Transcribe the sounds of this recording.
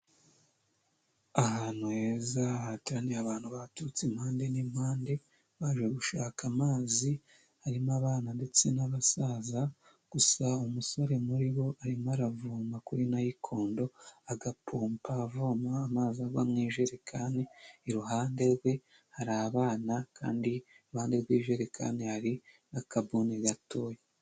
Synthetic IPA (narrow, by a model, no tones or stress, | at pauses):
ahaːnhuhe̞ːzahatiɾaneaβaːn̥huβatuut͡sim̥haːnde̞nimhaːnde̞ | βaːʒweɡuʃaːkamaːzi | haɾimaβaːnande̞t͡se̞naβasaːza | ɡ̥usaumusoɾe̞muɾiβo̞aɾimaɾavuːmakuɾinajikʰo̞ːndo̞aɡapʰuːmpavomaːmaːzaɡwamŋiːʒe̞ɾekʰaːne̞iɾuɦaːnde̞ɾɡwe̞ | haɾaːβaːnaka̰ːndi | ɾuhaːndeɾɡwiːʒe̞ɾekʰa̰ne̞haɾi | nakabuneɡato̞je